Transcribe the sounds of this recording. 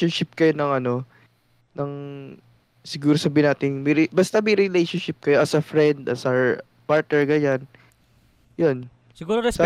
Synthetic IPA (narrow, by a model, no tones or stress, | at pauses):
onʃɪp̚kɐjonɐŋɐno̞ | nɐŋ | sɪɡuːɾosɐbiɪnaːt̪ɪŋmɛɾɪbɐst̪ɐmɛjɾɪlejʃonʃɪp̚kɐjoʔɐsɐfɾɛnd̪ɐsɐ | paɹt̪̚nɛɹɡɐɲan | jon | sɪɡuːɾoɾɛs